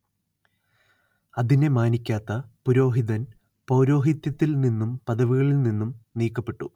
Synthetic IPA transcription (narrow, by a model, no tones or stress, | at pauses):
ɐðine̞maːnikʲːaːt̪ːɐpuɾo̞ːɦiðɐn | po̞ːɾo̞ːɦit̪jɐt̪ːilninːumpɐðɐʋiɣɐɭilninːumniːkːɐpːe̞ʈːu